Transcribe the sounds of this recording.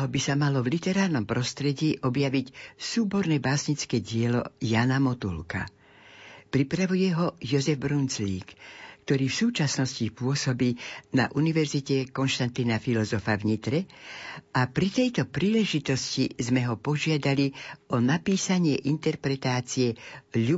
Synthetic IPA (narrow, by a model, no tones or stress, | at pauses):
ɦɔbisamalɔvlit̪ɛɾaːɾnɔmpɾɔst̪ɾɛɟiːʔɔbjaʋicsuːbɔɾnɛbaːsɲit͡skɛːɟɪɛlɔ̰jaːnamɔt̪ṵlka̰ | pɾipɾaʋujɛɦɔjɔzɛvbɾunt͡sliːkːt̪ɔɾiːfsuːt͡ʃasnɔscipʊɔsɔbiːna̰ʔuniʋɛɾzicɛkɔnʃt̪ant̪inafilɔzɔfavɲit̪ɾɛ | apɾit̪ɛjt̪ɔpɾiːlɛʒit̪ɔscizmɛɦɔpɔʒɪad̪aliʔɔnapiːsaɲɪɛʔint̪ɛɾpɾɛt̪aːt͡siɛʎu